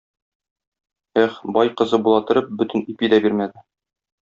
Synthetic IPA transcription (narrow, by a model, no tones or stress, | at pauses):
æχbɒjqɤ̆zɤbulˠɑt̪ɤ̆ɾɤp̚bɵt̪ɘnipid̪æbiɾmæd̪ɘ